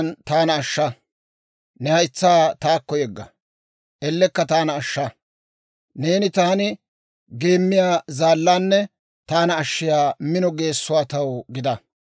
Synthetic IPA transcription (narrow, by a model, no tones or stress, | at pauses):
nt̪aːnɐːʃːɐ | nɛhɐjɪt͡sːaːt̪aːkːɔjɛɡːɐ̰ | ʔɛlːɛkːɐt̪aːnɐːʃːɐ | ne̞ːnɪt̪aːnɪ | ɡe̞ːmːɪjaːzaːlːaːnːɛ | t̪aːnɐːʃːɪjaːmɪnɔɡe̞ːsːʊwaːt̪ɐwɡɪd̪ɐ